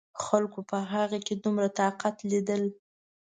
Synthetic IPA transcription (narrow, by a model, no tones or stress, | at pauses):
xalkopəɦaɣaked̪umɾat̪ɑqat̪lid̪əl